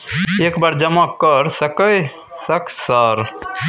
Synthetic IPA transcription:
ekbaɾd͡ʒəmakəɾsəkə | səkʰsəɾ

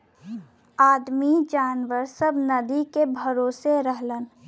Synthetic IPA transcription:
aːd̪mid͡ʒaːnʋəɾsəbnəd̪ikebʱəɾoːseɾəɦlən

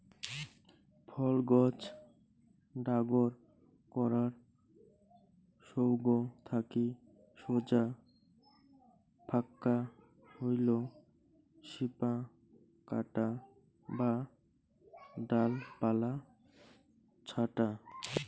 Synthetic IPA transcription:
pʰɔlɡɔd͡ʑ | ɖaɡoɾ | kɔɾaɾ | ʃowɡot̪ʰaki | ʃod͡ʑa | bʰʱakːa | hojlo | ʃipa | ka̰ʈa | ba | ɖalpala | t͡ɕʰaʈa

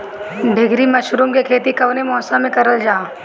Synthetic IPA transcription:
ɖʱɪɡʱɾimɐʃɾumkekʰeːt̪ikɐʋnemɔ̃ːsamẽkɐɾəld͡ʒaː

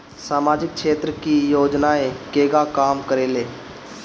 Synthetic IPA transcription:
saːmaːd͡ʒɪk̚ʃeːt̪ɾəkijoːd͡ʒnaẽkeːɡakaːmkəɾeːleː

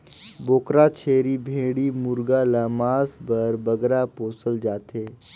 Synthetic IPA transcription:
boːkɾat͡ʃʰeːɾibʱeːɽimʊɾɡalamaːsbɐɾbɐɡɾapoːsəld͡ʒaːt̪eː

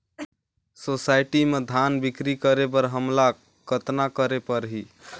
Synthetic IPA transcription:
sosajʈimed̪ʱanbikɾikəɾebəɾɦəmla | kət̪nakəɾepəɾɦi

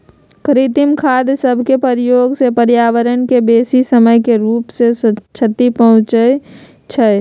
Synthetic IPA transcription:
kəɾit̪imkʰaːd̪səbʱkepəɾjoːɡsepəɾjaːwəɾənkebeːsisəməjkeɾuːpset͡ʃʰət̪ipəɦʊ̃t͡ʃə | t͡ʃʰə

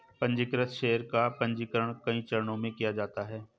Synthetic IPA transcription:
pɐ̃ɲd͡ʒɪkɾət̪ʃeːəɾkapɐ̃ɲd͡ʒɪkəɾəɽ̃kɐĩt͡ʃɐɾɳ̃õmẽkijad͡ʒaːt̪aɦɛː

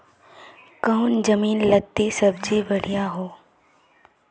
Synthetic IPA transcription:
kəʊnd͡ʒəmiːnlɐt̪ːisɐbd͡ʒibɐɽ̤ijaɦoː

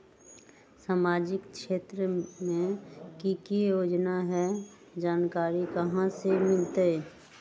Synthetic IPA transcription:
saːmaːd͡ʒɪkkʃeːt̪ɾəmẽkikijoːd͡ʒnaɦɛ | d͡ʒaːnkaːɾikəɦãsemɪlt̪e

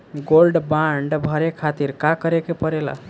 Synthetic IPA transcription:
ɡolɖbaɳɖbʱəɾekʰat̪iɾkakəɾekepəɾela̰

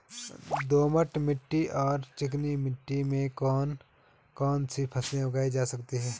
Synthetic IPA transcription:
d̪oːməʈmɪʈːiʔɔːɾt͡ʃɪk̬nimɪʈːimẽkɔːn | kɔːnsipʰɐsẽʊɡaːid͡ʒaːsɐkt̪iɦɛː

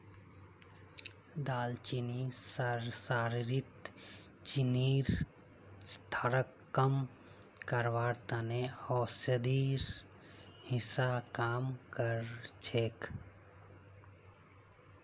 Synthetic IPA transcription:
d̪aːlt͡ʃinisəɾsaːɾɾit̪ | t͡ʃiniːɾ | st̪ʰaɾəkːəm | kəɾʋaːɾt̪aneɔːsəd̪iːɾ | hɪsakaːmkəɾt͡ʃʰeːk

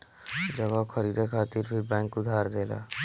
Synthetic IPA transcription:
d͡ʒəɡakʰəɾiːd̪ekʰaːt̪iːɾbibɛ̃ːŋkʊd̪ʱaːɾd̪eːla̰ː

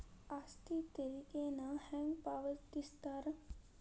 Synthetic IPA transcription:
ast̪it̪əɾiːkenahɛ̃ŋɡpaːʋət̪ist̪aɾ

